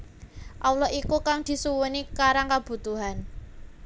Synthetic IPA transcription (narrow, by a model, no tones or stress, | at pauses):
ʔawlɔʔikukaŋd̪̥i̤suwənikaɾaŋkab̥ṳt̪uɦan